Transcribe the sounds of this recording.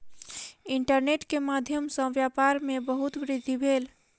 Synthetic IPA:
iɳʈəɾneʈkemad̪ʱjəmsə̃ʋjapaɾmebəɦut̪ʋɾɪd̪ʱːibʱel

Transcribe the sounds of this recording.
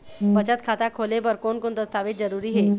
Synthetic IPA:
bət͡ʃət̪̚kʰat̪akʰolebəɾkonkont̪əst̪aːʋed͡zəɾuːɾiːɦe

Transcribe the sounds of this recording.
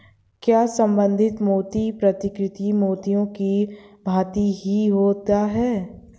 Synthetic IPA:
kjaːsə̃mbə̃nd̪ʱɪt̪moːt̪ipɾɐt̪ɪkɾɪt̪imoːt̪ijõkibʱaːt̪iɦiɦoːt̪aɦɛː

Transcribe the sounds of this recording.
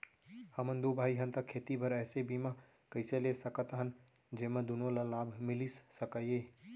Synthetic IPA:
həmənd̪obʱaːiɦənt̪əkʰeːt̪ibʱəɾɛːsebimã | kəɪselesəkət̪əɦən | d͡ʒemed̪unolalaːbʱmilisːəkəje

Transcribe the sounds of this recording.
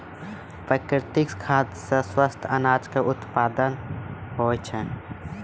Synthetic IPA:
pɾəkɾɪt̪ɪkskʰaːt̪seswəst̪ʰənaːd͡ʒkeʔʊt̪paːd̪ənɦoːt͡ʃʰɛ

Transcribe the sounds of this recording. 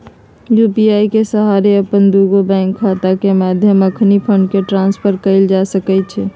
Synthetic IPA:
jupiaikesəɦaɾeəpənd̪uɡobɛ̃ŋkʰːat̪akemad̪ʱjəməkʰnipʰəɳɖkeʈɾãnspʰəɾkəɪld͡ʒasəkɛt͡ʃʰɛ

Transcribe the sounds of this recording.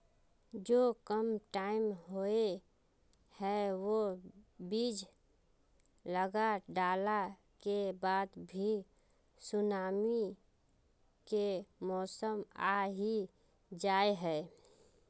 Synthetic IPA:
d͡ʒoːkəmʈaːɪmɦoe | hɛwobiːd͡ʒ | ləɡaɖaːla | kebaːd̪bʱi | sʊnaːmi | kemɔːsəmaɦi | d͡ʒaːeɦɛː

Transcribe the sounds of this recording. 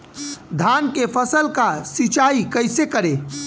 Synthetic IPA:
d̪ʱaːnkepʰəsəlkasit͡ʃaːikəɪsekəɾe

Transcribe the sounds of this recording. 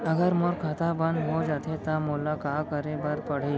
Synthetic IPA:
əɡəɾmoɾkʰat̪ʰabənd̪ɦod͡ʒat̪ʰet̪amolakakəɾebəɾpəɽ̤i

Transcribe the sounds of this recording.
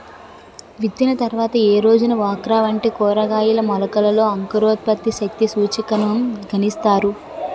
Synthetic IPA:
ʋit̪ːinɐt̪ɐɾʋaːt̪ɐeːɾo̞ːd͡ʒunɐʋaːkɾaːʋɐɳʈikɔːɾɐɡaːjulɐmɐlɐkɐlɐlo̞ːɐŋkɐɾoːt̪̚pɐt̪ːiʃɐk̚t̪isuːt͡ʃikɐnɐmɡʱɐnist̪aːɾu

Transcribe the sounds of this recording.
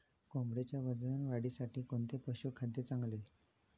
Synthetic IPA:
kombɽet͡ɕjaʋəd͡znanʋaɽiːsaʈiːkoɳt̪epəɕukʰad̪jet͡sãŋɡle

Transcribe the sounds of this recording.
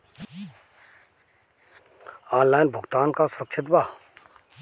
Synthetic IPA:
aːnlaːjnbʱʊɡt̪aːnkaːsʊɾəkʃʰɪt̪baː

